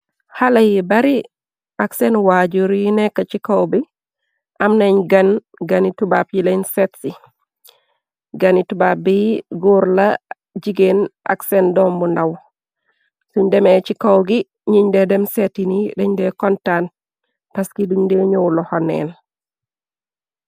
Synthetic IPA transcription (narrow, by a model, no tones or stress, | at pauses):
halajibaɾi | ʔaksenwaɟuɾjinɛkːat͡ʃikowbi | ʔamneɲɡan | ɡanitubapjilainsetsi | ɡanitubabiɡuɾla | d͡ʒiɡenʔa̰ksendɔmbundaw | suɲdɛmɛt͡ʃikawɡi | ɲiɲdɛdɛmsetinidɛɲdɛkɔntan | paskiduŋdɛɲowlɔhɔnːɛ̰ːn